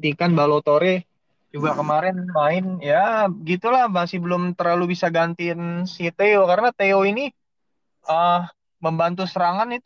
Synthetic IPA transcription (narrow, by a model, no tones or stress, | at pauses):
t̪ikanbalot̪oɾe | d͡ʒuɡakəmaɾɛnmaɪnjaɡit̪ulahmasibəlʊmt̪ərlalubisaɡant̪insit̪eokaɾənat̪eoini | ʔə | məmbant̪̬usəɾaŋanit̪